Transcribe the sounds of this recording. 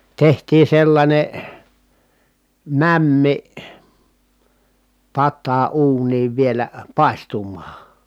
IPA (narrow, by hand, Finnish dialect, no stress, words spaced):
tehtiː selːɑnʲe mæmːi pɑtːɑː uːniːʋ ʋielæ pɑˑi̯stumˑɑː